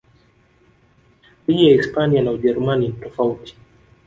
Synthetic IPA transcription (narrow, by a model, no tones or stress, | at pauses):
wijaispanianauʄɛɾumaninitɔfauti̥